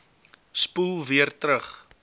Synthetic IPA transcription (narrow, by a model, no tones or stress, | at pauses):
spulˠviərtɾəχ